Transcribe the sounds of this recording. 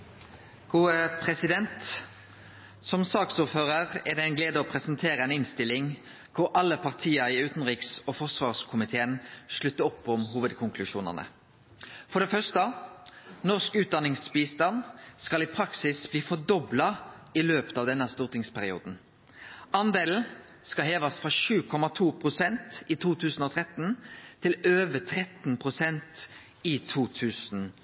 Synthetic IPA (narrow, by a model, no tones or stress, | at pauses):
ɡ̥uːəpʰʁɛsɪd̪ɛnt̪ | sɔmsɑːksuːɾføːʁəʁɛʁd̪ɛɪnɡleːd̪əɔːpʰʁɛsənt̪ʰeːɾəɛnɪnst̪ɪlːɪŋ | kʰʊɾʔɑlːəpʰɑʁt̪ʰiːəɾɪʉːt̪n̩ʁiːksɔfɔsʋɑːʁskʰʊmɪt̪ʰeːənʃɭʉt̪ːəɔpːɔmɦuːʋəd̪kʰʊŋkʰlʉʃuːnə̰nə̰ | fɔd̪ɛfœʁʂt̪ə | nɔskʉːt̪̚d̪ɑnɪŋsbiːst̪ɑnskɑlɪpʰɾɑksɪsbliːfɔd̪ɔblɑɪløːpə̥t̪ɑːʋd̪ɛnːəst̪uːʁt̪ɪŋspʰæɾɪuːd̪n̩ | ɑnd̪eːln̩ | skɑlɦeːʋɑsfʁɑʂʉːkʰɔmɑt̪ʰuːpʰʁʊsɛnt̪it̪ʰuːt̪ʰʉːsn̩ɔːt̪ʰɾɛt̪n̩ʰːɪløːʋət̪ʰɾɛt̪n̩pʰʁʊsɛnt̪ | ɪt̪ʰuːt̪ʰʉːsn̩